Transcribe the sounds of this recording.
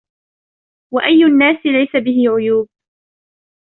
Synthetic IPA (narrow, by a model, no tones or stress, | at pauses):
waʔajːʊanːaːsɪlajsabɪhɪʕʊjuːb̚